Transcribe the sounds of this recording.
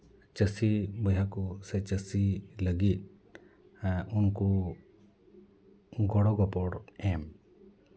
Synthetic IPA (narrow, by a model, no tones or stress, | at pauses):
t͡ʃəsibəjakusɛt͡ʃəsiləɡit̪̚ | unku | ɡʱɔɽɔɡɔpɔɽɛm